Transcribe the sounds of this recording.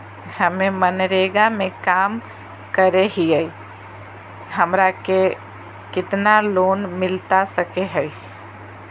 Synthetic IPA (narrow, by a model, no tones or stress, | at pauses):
hɐmẽmənɾeːɡamẽkaːm | kəɾeɦiɛi | ɦɐmɾake | kɪt̪naloːnmɪlt̪asəkeɦɛi